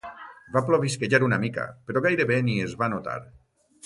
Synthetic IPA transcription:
baploβiskeʒaɾunamika̰peɾoɣajɾeβeniezβanot̪a̰ɾ

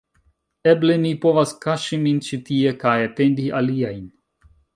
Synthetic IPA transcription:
ɛblɛnipɔvaskaʃimint͡ʃit̪iɛkaːjat̪end̪ialijajinʲ

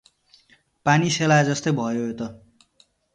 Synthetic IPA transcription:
paniselaed͡zʌst̪ʌjbʱʌjoot̪ʌ

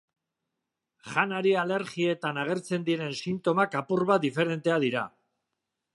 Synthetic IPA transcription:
ʝanaɾiale̞ɾɣie̞t̪anaɣ̞e̞ɾt͡se̞nd̪iɾe̞nsint̪o̞makapurβad̪ife̞ɾe̞nt̪e̞aðiɾa̰

